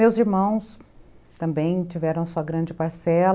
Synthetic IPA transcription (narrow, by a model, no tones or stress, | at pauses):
mewziɾmɐ̃w̃s | t̪ɐ̃mbẽj̃t͡ʃivɛɾɐ̃w̃ɐsuɐɡɾɐ̃d͡ʒɪpaɾsɛl